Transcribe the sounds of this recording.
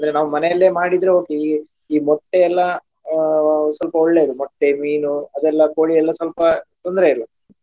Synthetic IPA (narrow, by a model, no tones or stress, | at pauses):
ɐnd̪ɐɾenaːʋumɐnɛjɐlːe̞ːmaːɽid̪ɾeɦoːɡi | iːmɔʈːeɛlːɐ | sɐlpɐɔɭːe̞iɾumɔʈːemiːnuɐd̪ɛlːɐkoːɭiɛlːɐsɐlpɐt̪ond̪ɾe̞iɾu